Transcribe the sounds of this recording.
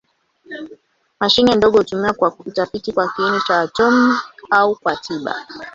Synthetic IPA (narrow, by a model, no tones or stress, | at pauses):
maʃinindɔɠɔhutumiwakwautafitikwakiinit͡ʃawatɔmiaukwatʰiɓa̰